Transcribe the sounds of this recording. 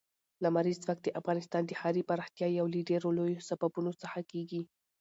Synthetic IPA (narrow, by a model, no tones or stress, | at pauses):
lamaɾizt͡swakt̪̚d̪əʔafɣɑnɪst̪ɑnd̪əhɑɾipaɾɑxt̪jɑjawliɖeɾolojosababunosəxakeɡi